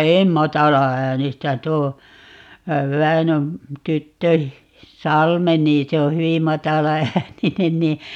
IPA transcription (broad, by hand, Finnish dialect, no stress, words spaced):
em mɑtɑlɑæːnistæ tuo ʋæinøm tytːø sɑlme niː se o hyʋi mɑtɑlɑæːninen niː